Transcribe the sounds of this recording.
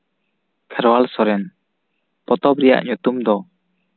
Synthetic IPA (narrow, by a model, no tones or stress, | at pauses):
kʰɛɾwalsɔɾɛn | pɔt̪ɔpɾɛja̰ʔɲut̪umd̪ɔ